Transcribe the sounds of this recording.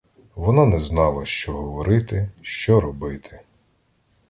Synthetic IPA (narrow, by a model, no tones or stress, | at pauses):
ʋɔnɑnɛznɑlˠɐʃt͡ʃɔɦɔʋɔɾɪt̪ɪʃt͡ʃɔɾɔbɪt̪ʰɪ̥